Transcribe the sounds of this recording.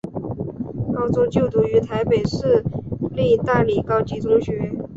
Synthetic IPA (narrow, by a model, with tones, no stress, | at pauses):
kɑ˥ʊt͡sʊ˥ŋt͡ɕjo˥˩ʊt̪u˧˥y˧˥t̪ʰa˧˥ɪpe˨˩ɪʂɻ̩˥˧li˥˧t̪a˥˩li˨˩kɑ˥ʊt͡ɕi˧˥t͡sʊ˥ŋɕɥɛ˧˥